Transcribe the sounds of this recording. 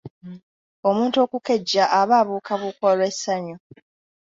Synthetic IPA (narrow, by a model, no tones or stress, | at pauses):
o̞muːnto̞ːkuke̞ɟːaʔaβaːβuːkʰaβukwalwesaɲo